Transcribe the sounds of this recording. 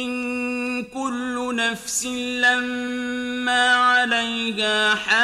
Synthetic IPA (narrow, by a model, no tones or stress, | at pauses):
ɪnkʊlːʊnafsɪlamː | aːʕalajkaːħa